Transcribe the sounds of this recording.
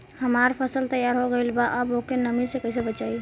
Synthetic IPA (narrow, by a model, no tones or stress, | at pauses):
həmaːɾpʰəsəlt̪əjaːɾɦoɡəilbaʔəbokenəmisekɛɪsebət͡ʃaːi